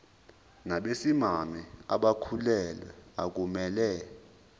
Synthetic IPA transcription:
naɓesimamia̰ɓakʰulɛlwɛak̬umɛːlɛ

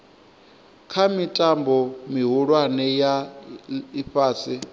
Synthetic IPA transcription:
kʰamitʼambɔmiɦuɺwanɛja | iɸaːsi

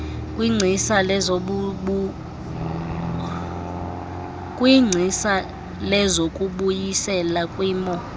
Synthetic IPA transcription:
kʼwiŋ͡ǀʱisalɛuɓu | kʼwiŋ͡ǀʱisa | lɛzokʼuɓujisɛlakʼwiːmɔ

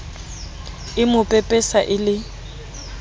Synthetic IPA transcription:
ɪmʊpʼɛpʼɛsaʔɪlɪ

